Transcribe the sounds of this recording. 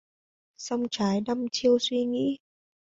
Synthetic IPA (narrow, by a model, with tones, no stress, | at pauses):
sa˧wŋ͡mt͡ɕaː˨˦jɗə˧mt͡ɕi˧əwswi˧ŋḭ˧˥